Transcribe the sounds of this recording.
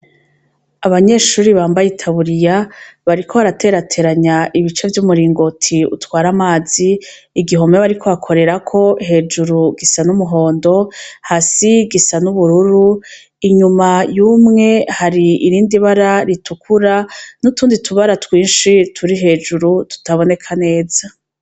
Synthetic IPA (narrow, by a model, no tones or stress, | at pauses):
aβaɲe̞ːʃuːɾiβaːmbajitʰaβuɾijaβaɾikʰohaɾatʰe̞ːɾatʰe̞ɾaɲaʔiβit͡ʃe̞vjumuɾiːŋɡo̞tʰiṵtwaːɾamaːziː | ɡiɦo̞meβaɾikʰo̞βakʰo̞ɾe̞ɾakʰo̞ɦe̞ːd͡ʒuɾuɡisanumuɦo̞ːndo̞hasiɡisanuβuɾuɾu | iɲumajuːmŋe̞haɾiiɾiːndiβaɾaɾitukʰuɾanutuːnditʰuβaɾatwiːnʃitʰuɾiɦe̞ːd͡ʒuɾutu̥taβo̞ne̞kʰane̞ːza